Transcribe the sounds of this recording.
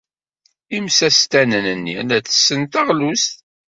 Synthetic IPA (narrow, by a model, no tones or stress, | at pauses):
imsæst̪ænənənːḭnæθə̥sːənt̪əʁlust̪